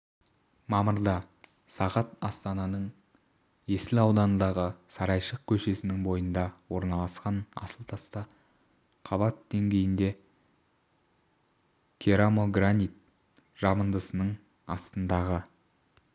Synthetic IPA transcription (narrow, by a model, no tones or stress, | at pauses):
mɑməɾd̪ɑ | sɑʁɑt̪ɑst̪ɑnɑnəɴ | je̞sɪlɑwd̪ɑnənd̪ɑʁəsɑɾɑjʃəq̚kʲʰɵʃe̞sɪnɪŋbo̞jənd̪ɑwo̞ɾnɑlˠɑsqɑnɑ̰səlˠt̪ʰɑst̪ɑ | qʰɑβɑt̪d̪e̞ŋɡʲe̞jɪnd̪e̞ | kʲʰeɾamoɡranit̪̚ | ʒ̥ɑmənd̪əsənəɴ | ɑst̪ənd̪ɑʁə